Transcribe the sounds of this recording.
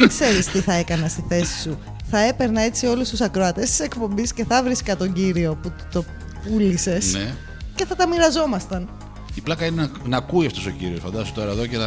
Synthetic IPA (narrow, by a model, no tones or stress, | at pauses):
kse̞ɾist̪iθɐe̞kɐnɐst̪iθe̞si̥su | θɐe̞pe̞ɾnɐe̞t͡sio̞lust̪usɐkɾoɐt̪est̪i̥se̞kpo̞mbisce̞θɐvɾiskɐt̪o̞ɲɟiɾio̞put̪o̞ | pulise̞sne | ce̞θɐt̪ɐmiɾɐzo̞mɐst̪ɐn | iplɐkɐinenɐnɐkuiɐft̪o̞so̞ciɾiosfɐnd̪ɐsut̪o̞ɾɐeðo̞cenɐ